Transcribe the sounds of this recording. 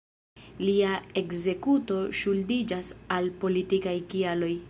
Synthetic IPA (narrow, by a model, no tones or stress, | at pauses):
liae̞kze̞kuto̞ʃuldid͡ʒasalpo̞litikajkialo̞j